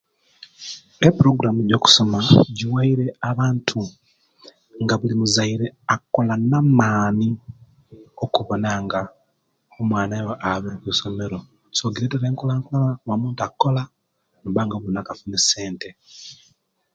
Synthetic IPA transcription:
epuɾo̞ɡuɾamuɟo̞ːku̥so̞maɟiwaiɾe̞aβaːntʰu | ŋɡaβulimuzaiɾeako̞lanamaːni | okuβo̞naŋɡa | omwaːnajoʔaβekuso̞me̞ɾo | soɡiɾeteɾeːŋkolaŋkolawamuːntuakːo̞la | nβaŋɡaβunakafunese̞ːnte̞

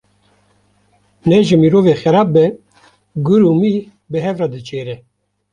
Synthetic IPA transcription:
nɛʒɪmiːɾoːveːxɛɾɑːb̚bɛ | ɡʊɾuːmiː | bɨɦɛvrɑd̪ɨt͡ʃʰeːɾɛ

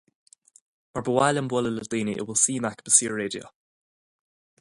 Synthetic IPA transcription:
maɹbəwajlənbwɔlələd̪iːniʔɪ̰wɪlsiːmakb̥əsiːɹɹeːdio̰

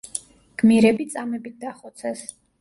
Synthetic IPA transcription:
ɡ̥miɾɛbit̪sʼamɛbit̪̚d̪aχɔt̪sʰɛs

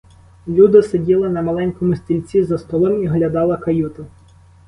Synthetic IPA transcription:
lʲud̪ɪsedʲilˠɪnɐmɐlˠɛnʲkɔmʊsʲt̪ʲilʲt͡sʲizɐst̪ɔlˠɔmiɦlʲɐd̪ɑlˠɐkɐjut̪ʊ

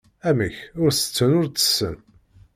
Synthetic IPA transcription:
æməçʊɾsə̥t͡sːənʊɾt͡sə̥sːə̰n

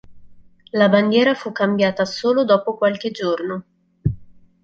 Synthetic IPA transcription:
laband̪jɛːɾafukːambjaːt̪asoːlod̪ɔːpokwalk̟ed͡ʒorno

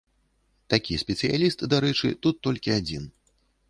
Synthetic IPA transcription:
t̪akʲisʲpʲɛt̪sɨja̰lʲist̪d̪aɾɛt͡ʂɨ̰t̪ut̪ːɔlʲkʲiad͡zʲin

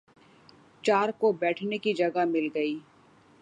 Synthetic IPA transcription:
t͡ʃaːɾkobɛːʈʰnekid͡ʒɐɡamɪlɡɐiː

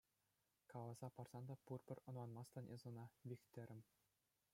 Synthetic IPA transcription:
kɑlˠɑz̥ɑpɑrz̥ɑnd̪ɑpurpʲɘ̆rʲɤ̆nwˠɑnmɑst̪ɑ̆nʔezɤ̆nɑʋʲixʲt̪ʲɘ̆ɾʲɘ̆mʲ

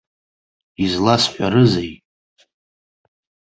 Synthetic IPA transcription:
izlasħʷᶣaɾɨzej

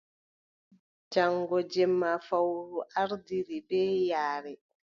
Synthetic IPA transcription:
d͡ʒaŋɡɔd͡ʒɛmːafawɾuʔaɾdiɾibɛːjaːɾɛ

